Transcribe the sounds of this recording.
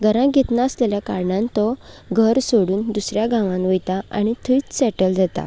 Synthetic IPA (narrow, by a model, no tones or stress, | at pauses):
ɡʱəɾãɡʱet̪naəslɛljakaɾɳãnt̪ɔ | ɡʱəɾsoɽuːnd̪usɾjaɡãʋãnʋəjt̪aa̰ɽ̃it̪ʰəit͡ssɛʈəld͡zat̪a̰